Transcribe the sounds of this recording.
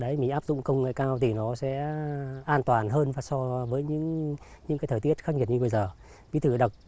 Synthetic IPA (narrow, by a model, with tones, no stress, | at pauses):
ɗə˨˦jmḭ˧˥ʔaː˦˥p̚zʊ̰˧˨ŋ͡mkə˧˨wŋ͡mŋə̰˧˨jkaː˧wt̪ʰi˨˩nɔ˨˦sɛ̰˧˥ʔaː˧nt̪waː˨˩nɦəː˧nvaː˨˩sɔ˧vəː˨˦jɲɨ̰˧˥ŋ | ɲɨ̰˧˥kaː˨˦jt̪ʰəː˧˩t̪i˦˥ət̚xa˦˥k̚ɲi˨˩t̚ɲɨ˧ɓə˧jzəː˨˩ | vḭ˨˧˥t̪ʰɨ˧˩ɗə˨˩k͡p̚